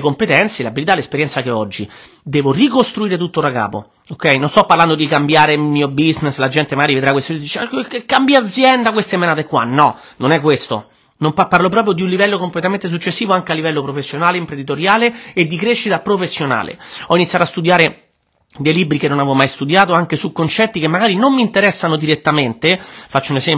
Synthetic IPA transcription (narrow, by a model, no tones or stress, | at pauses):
ekompet̪ɛnt̪selabilit̪alespeɾjɛnt̪sakeɔd͡ʒːid̪ɛːvorikost̪ɾuiːɾet̪̬ut̪ːodaka̰ːpo̰ | okːɛjnonst̪ɔpːarland̪od̪ikambjaːɾemiːobizneslad͡ʒɛnt̪emaɡaɾived̪ɾakːwest̪od̪it͡ʃkekːambjaad̪zːjɛnd̪akwest̪emenaːt̪ekːwa̰nɔ | nonɛkːwest̪o̰ | nompaparlopɾɔːpɾjod̪iunlivɛlːokomplet̪ament̪es̬ut͡ʃːesːiːvoaŋk̟ealːivɛlːopɾofesːjonaːleimpɾend̪it̪oɾjaːleːd̪ːikɾeʃːit̪apɾofesːjona̰ːlḛɔinit̪sjat̪oast̪ud̪jaːɾe | d̪ejlibɾikenːonavɔmajst̪ud̪jaːt̪oaŋk̟esukːont͡ʃɛt̪ːikemːaɡaːɾinomːiːnt̪eɾɛsːanod̪iɾet̪ːament̪efat͡ʃːounesɛm